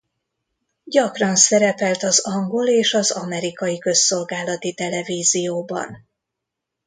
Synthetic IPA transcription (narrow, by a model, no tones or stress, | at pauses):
ɟɒkrɒnsɛɾɛpɛlt̪ɒzɒŋɡo̞leːʃɒzɒmɛɾikɒjikø̞sːo̞lɡaːlɒt̪it̪ɛlɛviːzijoːbɒ̰n